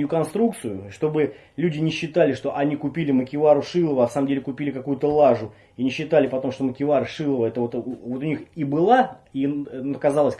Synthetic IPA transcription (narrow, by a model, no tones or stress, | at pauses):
jʊkɐnst̪ɾuk̚t̪sɨjʊʂt̪o̞bɨ | lʲʉdʲɪnʲɪɕːɪt̪alʲɪʂt̪o̞ʔɐnʲikʊpʲilʲɪməkʲɪvaɾʊʂɨlˠəvəɐfsaməmdʲelʲɪkʊpʲilʲɪkɐkujʊt̪əlˠaʐʊ | inʲɪɕːɪt̪alʲɪpɐt̪o̞mʂt̪oməkʲɪvarʂɨlˠəvəɛt̪əvo̞t̪vo̞t̪ʊnʲixibɨlˠainkɐzalˠəsʲ